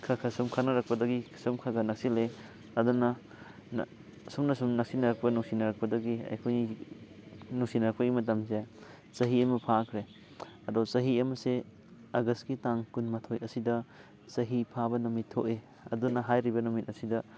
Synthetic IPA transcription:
kʰakʰɐsumkʰanɐɾak̚pɐdɐɡikʰsumkʰaɡɐnak̚sile | ɐdunɐ | n̰ | sumnɐsumnak̚sinɐɾak̚pɐnuŋsinɐɾɐk̚pɐdɐɡiɐ̰jkʰojni | nuŋsinɐɾɐk̚pɐɡimɐt̬ɐmze | sɐɦiɐmɐpʰakʰɾe | ɐdɔsɐɦiɐmɐse | aɡɐstɡitaŋkunmatʰojɐsidɐ | sɐɦipʰabɐnɔmitʰːoʔe | ɐ̰dunɐɦajɾibɐnɔmit̚ɐsidɐ

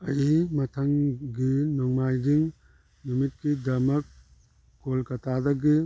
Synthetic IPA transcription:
ɐjimɐt̪ʰɐŋɡinɔŋmajɡiŋ | numit̚kid̪ɐmɐk̚ː | olkɐt̪ʰad̪ɐɡi

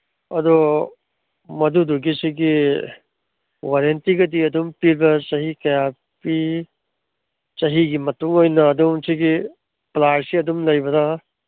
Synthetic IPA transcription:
ɐdu | mɐduduɡisiɡi | waɾentiɡɐdiɐdumpiɾbɐt͡ʃɐɦikɐja | pi | t͡ʃɐɦiɡimɐtuŋojnɐːdumsiɡi | plaɾsiɐdumlɐjbɐda

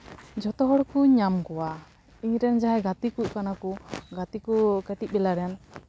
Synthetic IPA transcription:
d͡ʒɔt̪ɔɦɔɽkuɲamkɔwa | iɲɾɛnd͡ʒaɦɛɡat̪ikuc̚kanakuɡat̪ikɔkɛʈic̚bɛlaɾɛan

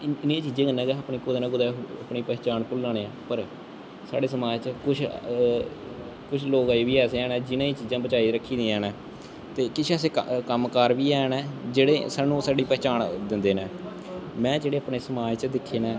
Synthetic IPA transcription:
ɪnẽːt͡ʃiːzẽːɡənːɛ̃ːɡɛːpɳiːkʊd̪aːnãːkʊd̪ɛːəpɳiːpɛːt͡ʃaːnkʊlːãːɽẽːãːpəɾ | saːɽeːsəmaːd͡ʒt͡ʃəkʊt͡ʃʰ | kʊt͡ʃʰloːɡaeːʋiːɛːseːɛːnɛ̃ːd͡ʒɪnãːiːt͡ʃiːzãːbət͡ʃaːiːɾəkʰːiːd̪ĩːɛːnɛː | t̪eːkɪt͡ʃʰɛːs̬eːkkəmkaːɾʋiːɛːnɛːd͡ʒeːɽeːsaːnũːsaːɖiːpɛːt͡ʃaːnd̪ɪnd̪eːnɛː | mɛ̃ːd͡ʒeːɽeːəpɳeːsəmaːd͡ʒt͡ʃəd̪ɪkʰːeːnɛː

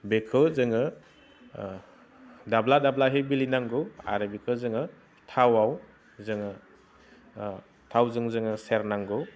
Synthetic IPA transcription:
bekʰɯzɯŋɯ | dabladablaɦejbilinaŋɡɯa̰ɾɯbekʰɯzɯŋɯ | tʰawaw | zɯŋɯ | tʰawzɯŋzɯŋɯseɾnaŋɡɯ

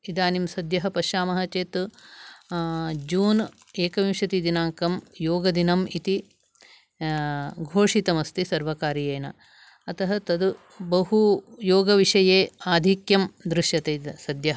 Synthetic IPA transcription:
id̪aːnimsɐd̪jɐɦɐpɐʃaːmɐɦɐt͡ʃeːt̪ | d͡ʒuːn | eːkɐʋimʃɐt̪id̪inaːŋkɐmjoːɡɐd̪inɐmit̪i | ɡʱoːʂit̪ɐmɐst̪isɐɾʋɐkaːɾijeːnɐ̰ | ɐt̪ɐɦɐt̪ɐd̪u | bɐɦujoːɡɐʋiʂɐjeːaːd̪ʱikjɐmd̪ɾɪʃjɐt̪ed̪sɐd̪jɐɦɐ

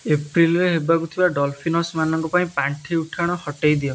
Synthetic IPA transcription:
epɾilɾeɦebakut̪ʰibaɖɔlpʰinɔsmanɔŋkɔpaĩpaɳʈʰiuʈʰaɽ̃ɔhɔʈejd̪iɔ

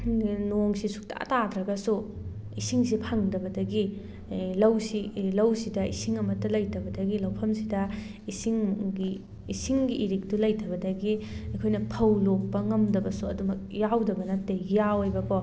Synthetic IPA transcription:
noŋsisu̥k̚tɐ̰ɐ̰tadɾɐɡɐsu | isiŋs̬ipʰaŋdɐbɐdɐɡi | lɐwsilɐwsidɐisiŋɐmɐtːɐlɐjtʰɐbɐdɐɡilɐwpʰɐmsidɐ | isiŋɡiː | siŋɡiʔːɾik̚tulɐjtʰɐbɐdɐɡiɐjkʰojnɐpʰɐwlok̚pɐŋɐmdɐbɐsuɐdumɐk̚jawdɐbɐnɐtːejawojbɐkʰo

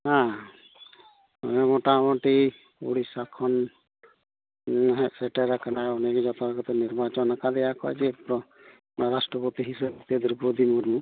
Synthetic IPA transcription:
ɦã | ɔ̰mɛmɔʈamɔʈi | ṵɽisakʰɔn | ɦsɛʈɛɾakanaɔnɛkɛd͡ʒɔt̪ɔɾkɔt̪ɛniɾbat͡ʃɔnakad̪ɛjakɔɛt͡ʃɛpɾɔ | ɾasʈɾɔpɔt̪iɦisebt̪ed̪uɾbod̪ʱimuɾmu

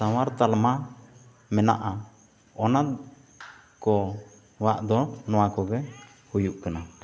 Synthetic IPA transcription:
sawaɾt̪alma | mɛna̰ʔa | ɔnat̪̚ | kɔ | waʔd̪ɔnɔwakɔɡɛ | hujuʔkana

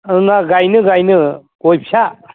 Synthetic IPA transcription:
ɯnaɡajnɯɡajnɯ | ojpʰja

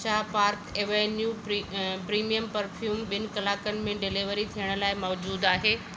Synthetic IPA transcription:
aːɦpaːɾkeʋenju | pɾiːmijəmpɐɾfʰjuːmɓɪnɪ̆kɐlaːkənɪ̆mẽɖɪliʋəɾit̪ʰijəɽ̃̆laːɪmɔːd͡ʑuːd̪aːɦeː

